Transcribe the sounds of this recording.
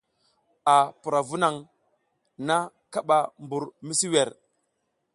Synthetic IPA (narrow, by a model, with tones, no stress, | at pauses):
a˨pu˨ɾa˨vu˦na˨ŋ | na˦ | ka˦ɓa˨mbu˨ɾmi˦si˦we˨ɾ